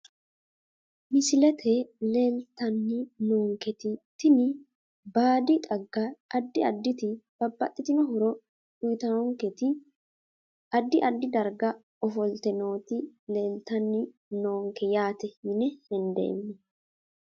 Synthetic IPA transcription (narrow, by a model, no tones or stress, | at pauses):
mɪsɪlɛt̪ʰɛle̞ːlt̪ɐnːɪnoːŋkɛt̪ɪt̪ɪnɪ | baːd̪ɪt̪ʼɐɡːɐːd̪ːɪɐd̪ːɪt̪ɪb̥ɐbːɐt̪ʼːɪt̪ɪnɔɦʊɾɔ | ʊjt̪ɐɔŋkɛt̪ɪ | ɐd̪ːɪʔɐd̪ːɪd̪ɐɾɡɐ | ɔfɔlt̪ɛno̞ːt̪ɪle̞ːlt̪ɐnːɪ | noːŋkɛjaːt̪ɛɪnɛhɛnd̪ɛ̰j̰mːɪ